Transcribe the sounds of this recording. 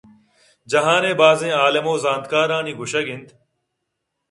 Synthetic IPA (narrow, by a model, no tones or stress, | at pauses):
d͡ʒəɦãːnẽːbaːzẽːaːləmoːzãːnd̪̚kaːɾãːniːɡʱʊʃəɡɪnt̪ʰ